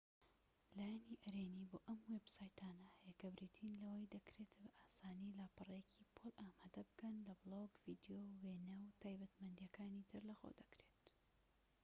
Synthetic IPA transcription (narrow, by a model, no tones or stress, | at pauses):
laːjɛniʔɐɾeniːboːʔɐmwebsaːjt̪ʰaːnɐhɐjɛkɐbɾit̪ʰinlɐwɐjd̪ɐkɾet̪bɐʔaːsaːnilaːpɨrˤɐjɛcʰipʰolʔaːmaːd̪ɐbɨkɐnlɐbɨloɡvid̪jowenɐwt̪ʰaːjbɐt̪mɐnd̪jɐkaːnit̪ʰɨɾlɐxo̰d̪ɐkɾe̞t̪